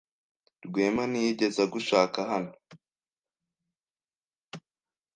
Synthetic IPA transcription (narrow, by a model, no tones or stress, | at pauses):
ɾɡwe̞ːmanijiɟe̞zaɡuʃaːkaɦano̥